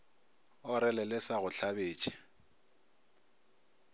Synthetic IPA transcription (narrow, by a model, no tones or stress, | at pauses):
ɔɾɪlɛlɪsaɣʊɬʰabeːt͡ʃʼi̥